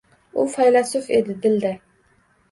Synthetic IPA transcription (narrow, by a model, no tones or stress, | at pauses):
ʊfajlasʊfed̪ɪd̪ɪld̪ɪ